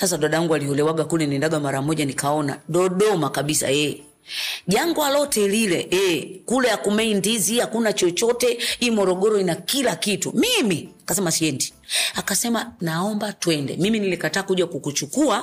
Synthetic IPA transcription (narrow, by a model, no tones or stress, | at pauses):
sasaɗaɗaaŋɡualiɔlɛwaɡakulɛnindaɡamaɾamɔʄanikaɔna̰ɗɔɗɔmakaɓisa̰jɛ | ʄaŋɡwalɔtɛlilɛɛkulɛakumɛindizihakunat͡ʃɔt͡ʃɔtɛiːmɔɾɔɡɔɾɔinakilakitumimiakasɛmasiɛnti̥akasɛmanaɔmbatwɛndɛ̰miminilikataːkuʄakukut͡ʃukua